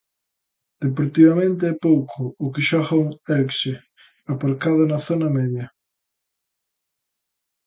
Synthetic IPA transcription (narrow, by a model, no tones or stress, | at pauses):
d̪̥ep̬oɾt̪iβamẽnt̪̬eɛpowkʰʊːkɪʃɔɣauŋɛlkʃe | apaɾkaðʊnɐθonɐmɛðjɐ